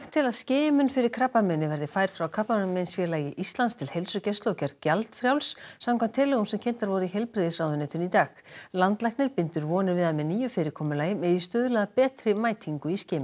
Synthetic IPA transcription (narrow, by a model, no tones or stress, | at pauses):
ht̪ʰːɪlaðsceːmʏnfɪɾɪɾ̥kʰɾaːpːamɛnːɪvɛɾðɪfaːjɾ̥fɾawkʰapːamɛnmɛnsfjɛːɾlaːjɪʔist̪lanst̪ʰɪlhejlsʏcɛst̪lowcaɾcalt̪fɾjawlsːamkʰamnt̪ʰɛːlɛɣumsɛmcʰejnt̪aɾvɔɾʏiɦejlpɾɪðɪsraːwðʏnɛːt̪ʏnit̪aːxlant̪lajhknɪɾ̥pɪnt̪ʏɾvɔːnɪɾvɪðamɛniːjʏfɪːɾɪɾkʰɔːmʏlaːjɪmɛðist̪ʏːðʏlaðapɛːt̪ɾɪmaːjt̪ʰiŋkʏiscɪːmʏ